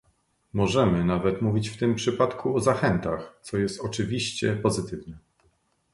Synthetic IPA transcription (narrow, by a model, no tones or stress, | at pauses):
mɔʐɛmɘnavɛt̪muvʲit͡ɕft̪ɘmpʂɘpat̪kʰuɔzaxɛnt̪axt̪sɔjɛst̪ɔt͡ʂɘvʲiɕt͡ɕɛpɔzɘt̪ɘvnɛ